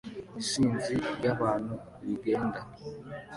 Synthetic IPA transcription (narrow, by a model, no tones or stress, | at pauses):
isind͡zijabanu | liɡɛnda